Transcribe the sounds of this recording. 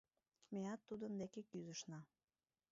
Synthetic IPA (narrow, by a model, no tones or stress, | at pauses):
meɑt̪ːud̪ənd̪ekekyzəʃnɑ